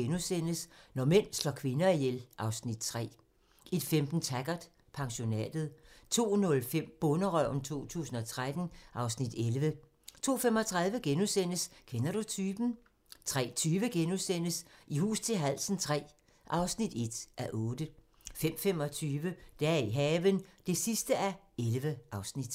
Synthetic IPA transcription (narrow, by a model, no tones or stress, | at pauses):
enusen̰əsnɒmen̰slɒ̰ːkʰʋe̝nɐijelʔɑ̈ʊsnid̥t͡sʰʁɛ̰ː | ed̥femd̥n̩t͡sʰæɡ̥ɐd̥ | pʰɑ̈ŋɕo̝nɛ̰ːd̥ð̞̩ˠt͡sʰo̝̰ːnɔ̽lfem̰b̥ɔ̽nəʁœʊ̰n̩t͡sʰo̝̰ːt͡sʰṵːsn̩ɒ̽t͡sʰʁad̥n̩ʔɑ̈ʊsnid̥elʋə | t͡sʰo̝ːfemɒ̽t͡sʰʁäðˠʋəɡ̥enusen̰əskʰenɐɾ̥ut͡sʰyːb̥n̩ | t͡sʰʁɛ̰ːt͡sʰyːʋəɡ̥enusen̰əsʔihṵːst͡sʰe̝lɦæl̰sn̩t͡sʰʁɛ̰ː | ʔɑ̈ʊsnid̥e̝d̥ʔæʔɔ̽ːd̥ə | fem̰femɒ̽t͡sʰyːʋəd̥eæiɦɛːʋənd̥e̝sisd̥əæelʋəʔɑ̈ʊsnid̥